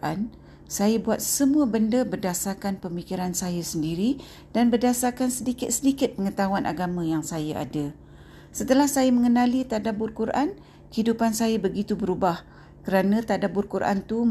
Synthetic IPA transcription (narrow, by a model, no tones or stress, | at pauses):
ʔan | sajabuat̪̚səmũabəndəbərdasakanpəmikiɾansajasəndiɾi | d̥anbərdasakansədikɪt̪̚sədikɪt̪̚pəŋət̪awanʔa̰ɡamə̃jaŋsajaʔa̰da | sət̪əlahsajaməŋənãlit̪adabʊrkuɾʔan | kəidupansajabəɡit̪ubəɾubah | kəɾanãt̪adabʊrkurʔa̰nt̪u